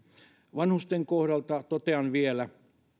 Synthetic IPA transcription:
ʋɑnhust̪eŋkohɾɑlt̪ɑt̪ot̪eɑnʋielæ

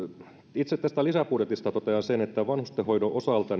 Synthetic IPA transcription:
it̪set̪t̪æst̪ælisæpuːt̪et̪ist̪ɑt̪ot̪eɑnsenet̪ːæʋɑnhust̪ehojnoʔosɑlt̪ɑn

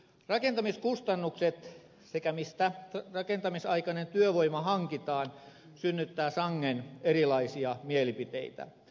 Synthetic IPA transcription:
rɑkent̪ɑmiskust̪ɑnːukset̪ | sekæmist̪ærɑkent̪ɑmisɑikɑnent̪yøʋoimɑhɑŋkit̪ɑːn | synːyt̪ːæːsɑŋːenerilɑisiɑmielipit̪ḛit̪æ̰

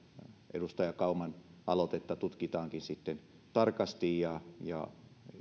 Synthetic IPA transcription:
ʔḛdust̪ɑjɑkɑumɑnʔɑlot̪et̪ːɑt̪ut̪kit̪ɑːŋkinsit̪ːen | t̪ɑrkɑst̪ijjɑjɑ̰

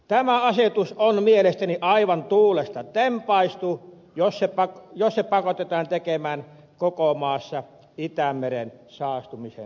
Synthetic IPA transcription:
t̪æmæɑset̪usonmielest̪æniʔɑiʋɑnt̪uːlest̪ɑt̪empɑist̪uː | jossepɑkjossepɑkot̪et̪ɑːnt̪ekemæːn | kokomɑːsːɑ | it̪æmːerensɑːst̪umisḛn

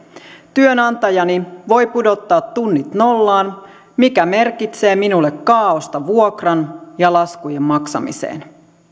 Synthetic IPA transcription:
t̪yønɑnt̪ɑjɑniʋo̞jpudo̞t̪ːɑːt̪ːunːit̪no̞lːɑːn | mikæme̞rkit̪se̞ːminulːekːɑːost̪ɑʋuokrɑnjɑlɑskujemːmɑksɑ̰mḭsḛːn

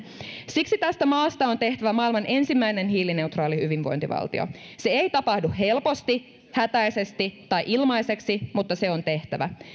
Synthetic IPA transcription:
siksit̪æst̪æmɑːst̪ɑo̞nt̪e̞ht̪æʋæmɑilmɑnʔe̞nsimːæine̞nɦiːline̞wt̪rɑːlihyʋinʋo̰nt̪iʋɑ̰lt̪ḭo̰se̞ejt̪ɑpɑhduhe̞lpo̞st̪i | hæt̪æjse̞st̪it̪ɑjʔilmɑjse̞ksimut̪ːɑse̞o̞nt̪e̞ht̪æʋæ̰

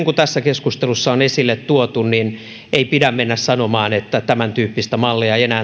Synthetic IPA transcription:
ŋkut̪æsːækeskust̪elusːɑonesilːet̪t̪uot̪unnin | ʔeipidæmmenːæssɑnomɑːnet̪ːæt̪æmænt̪yːpːist̪æmɑlːiɑeienæː

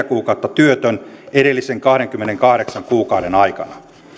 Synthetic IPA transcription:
ækuːkɑˑut̪ːɑt̪yøt̪øneɾelːiseŋkɑhɾeŋkymːeneŋkɑhɾeksɑŋkuːkɑuɾenɑikɑ̰nɑ

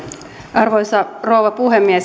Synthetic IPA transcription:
ʔɑrʋojsɑroːʋɑpuɦemːies

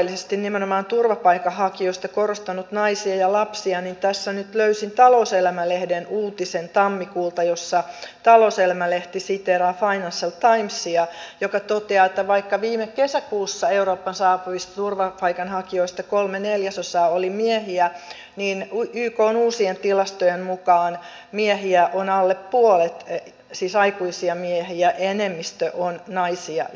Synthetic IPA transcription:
lːisest̪innimenomɑːnt̪urʋɑpɑikɑhɑkioist̪ɑkorost̪ɑnut̪nɑisiɑjɑlɑpsiɑnint̪æsːænyt̪løysint̪ɑlouselæmælehdenuːt̪isent̪ɑmːikuːlt̪ɑjosːɑt̪ɑloselæmæleht̪isit̪eɾɑːfɑinɑnsɑlt̪ɑimsːiɑjokɑt̪ot̪eɑːet̪ːæʋɑikːɑʋiːmekkesækuːsːɑeuroːpːɑnsɑːpuʋist̪ɑt̪urʋɑpɑikɑnhɑkioist̪ɑkolmeneljæsosɑːolimiehiæ | niːnyːkoːnuːsient̪ilɑst̪ojemmukɑːn | miehiæʔonɑlːeppuolet̪ | siːsɑikuisiɑmiehiæʔenemːist̪øʔonnɑisiɑ̰

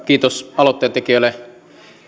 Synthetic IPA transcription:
kiːt̪osɑlot̪ːeːt̪ekiøˑlːe

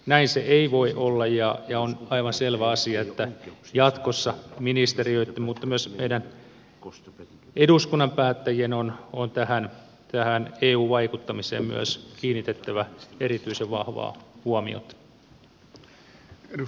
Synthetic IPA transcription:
næinseeiʋoiʔolːɑjjɑjɑonɑiʋɑnselʋæɑsiɑet̪ːæjɑt̪kosːɑminist̪eriøit̪ːemmut̪ːɑmyøsmḛidæn | ʔeduskunːɑmpæːt̪ːæjienonont̪æhæn | t̪æhæneːuːʋɑikut̪ːɑmisḛːmmy̰ø̰skiːnːit̪et̪ːæʋæeɾit̪yiseʋʋɑ̰hʋɑ̰ːhuɑmḭo̰t̪

